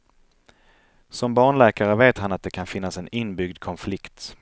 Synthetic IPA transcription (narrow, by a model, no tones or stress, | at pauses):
sɔmbɑːɳɭɛːkaɾəveːt̪hanat̪̚d̪ɛkʰanfɪnːasɛnɪnːbʏɡd̪kʰɔnflɪkt̪